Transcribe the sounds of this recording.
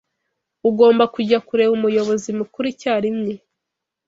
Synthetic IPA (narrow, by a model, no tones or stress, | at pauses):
uɡo̞ːmbakuɟakuɾe̞βumujo̞βo̞zimukuɾicaːɾimɲe